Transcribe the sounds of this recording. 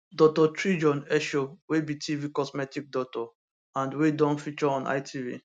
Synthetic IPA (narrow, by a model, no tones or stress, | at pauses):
dɔk̚tɔtʰɹid͡ʒɔ̃nɛʃowebitʰivikɔsmɛtik̚dɔtɔ | ãndwedɔ̃nfit͡ʃɔɔ̃na̰ɪtʰivḭ